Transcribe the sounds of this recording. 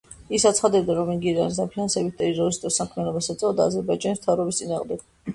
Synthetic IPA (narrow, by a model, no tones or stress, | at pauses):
isat̪sʰχad̪ɛbd̪aɾɔminɡiɾanis̬d̪apʰinansɛbit̪̚ʰd̪aizɔɾist̪ʼɔsamkʰmɛnɔbasɛt̪sʼɛvɔd̪aːzɛɾbaid͡ʒanist̪ʰavɾɔbist̪sʼinaːʁmd̪ɛɡ̥